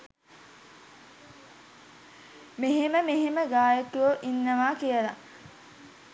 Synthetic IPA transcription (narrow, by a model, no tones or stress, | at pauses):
meɦeməmeɦeməɡaːjət̪ujoʔinːəʋaːkijəla